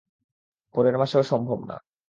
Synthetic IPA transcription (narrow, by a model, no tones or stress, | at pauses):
pɔɾeɾmaʃeoʃɔmbʱobna̰